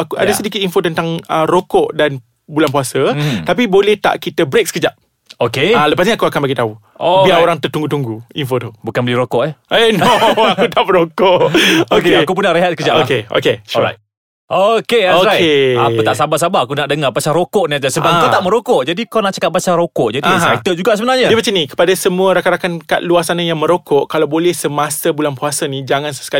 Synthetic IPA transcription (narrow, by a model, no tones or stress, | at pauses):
akua̰dasədikit̪̚infot̪ənt̪aŋərokɔʔdan | bulanpuasət̪apibolɛht̪a̰ʔkit̪əbɾek̚sə̥kəd͡ʒaʔ̚ | okealəpas̬ɲiakuakanbaɡit̪au | obilaoɾaŋt̪ərt̪uŋɡut̪uŋɡuinfot̪ubukanbəliɾokɔʔɛenɔakut̪aʔməɾokɔʔokeakup̬unaʔɾəɦat̪̚səkəd͡ʒaʔokeo̰keʃa̰j̚ | ʔokeoaea̰kut̪aʔsabasabaakunaʔdəŋabasaɾokɔʔniad͡ʒasəbakat̪aʔmə̃ɾokɔʔd͡ʒadikawnaʔt͡ʃakat̪̚basaɾokɔʔd͡ʒadiaajt̪əd͡ʒuɡaʔsəbənarɲaəmat͡ʃanikə̥padasəmuəɾakaɾakanka̰ʔ̪̚luasanajaŋmə̃ɾokɔʔkalawbolɛhsəmasəbulanpuasənid͡ʒaŋãnsə̥ska